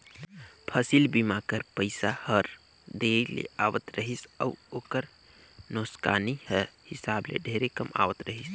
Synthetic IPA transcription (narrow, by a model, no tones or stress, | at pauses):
pʰəsilbimakəɾpəɪsahəɾ | d̪elḛaʋət̪ɾəɦisəuoːkəɾ | noska̰ːnihəhɪsablḛɖʱeɾekəma̰ʋət̪ɾəɦis